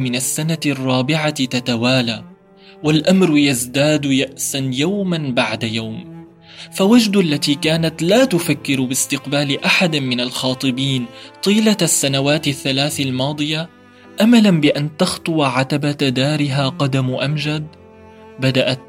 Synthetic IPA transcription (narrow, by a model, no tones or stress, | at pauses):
mɪnasːanarˤːɑːbɪʕat̪at̪awaːlaː | walʔamɾjazd̪aːd̪jaʔsanjawmanbaʕd̪ajawm | fawad͡ʒd̪ʔalːat̪iːkaːnat̪laːt̪ʊfakːɪɾbɪst̪ɪqbaːlɪʔaħad̪mɪnalxɑːt̪ˤɨbiːnt̪ˤiːlasːanawaːt̪aθːalaːθalmɑːd̪ˤɨja | ʔamalanbɪʔant̪ɑxt̪ˤʊwaʕat̪abad̪aːɾɪɦaːqɑd̪amʔamd͡ʒad̪ | bad̪aʔat̪̚